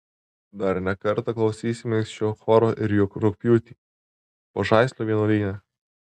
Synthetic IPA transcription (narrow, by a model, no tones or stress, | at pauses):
d̪ɐɾnʲɛkɐɾt̪ɐklˠɒʊsʲiːsʲɪmʲɛŋksʲt͡ʃʲoːxɔːɾoːʔɪɾjʊkɾʊk̚pʲjuːt̪ʲiː | poʒɑɪsʲlʲoːʋʲiɛnoːlʲiːnʲɛ